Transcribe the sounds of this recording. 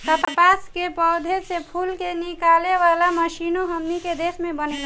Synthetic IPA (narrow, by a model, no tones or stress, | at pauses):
səppaskepɔːd̪ʱesepʰulkenikaleʋalaməʃinoɦəmniked̪esmẽbənea